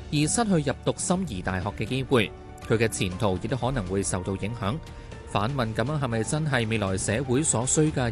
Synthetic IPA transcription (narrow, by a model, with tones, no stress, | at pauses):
jiː˨˩sɐ˥t̚hɵ˧ɥjɐ˨p̚t̪ʊ˨k̚sɐ˥mjiː˨˩t̪aː˨jɦɔː˨kːɛː˧ke˥jwuː˨˧j | kʰɵ˨˧ɥkɛː˧t͡sʰiː˨˩nt̪ʰo˨˩wjɪ˨k̚t̪o˥whɔː˨˥nɐ˨˩ŋwuː˨˧jsɐ˨wt̪o˧wjɪ˨˥ŋhœː˨˥ŋ | faː˨˥nmɐ˨nkɐ˨˧mjœː˨˥ŋɦɐ˨jmɐ˨jt͡sɐ˥nɦɐ˨jme˨˧jlɔː˨˩jsɛː˨˧wuː˨˥jsɔː˨˥sɵ˥ɥkaː˧